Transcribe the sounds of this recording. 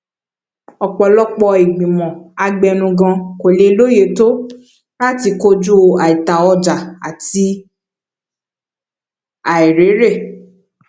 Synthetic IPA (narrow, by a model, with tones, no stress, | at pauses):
ɔ˨k͡pɔ˨lɔ˦k͡pɔ˧i˨ɡ͡bĩ˨mɔ̃˨a˧ɡ͡bɛ˧nũ˧ɡã˧ko˨le˧˦lo˦je˨˦to˦ | la˦ti˧ko˦d͡ʒu˦˧˨a˨i˨ta˨ɔ˧d͡ʒa˨a̰˨ti˧ | a˨i˨ɾe˨˦ɾe˦˨